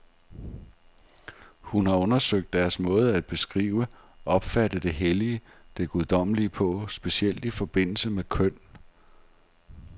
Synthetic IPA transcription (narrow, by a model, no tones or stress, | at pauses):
hunhɑ̈ɔ̽nɐsøɡ̥̚d̥æɐsmɔ̰̽ːð̞̩ˠæd̥̚b̥e̝sɡ̥ʁḭːʊə | ʔɒ̽b̥fæd̥əd̥e̝ɦeliə | d̥e̝ɡ̥uð̞ˠd̥ɒ̽məliəpʰɒ̽sb̥e̝siel̰d̥ifɒ̽b̥e̝n̰l̩səmekʰœn̰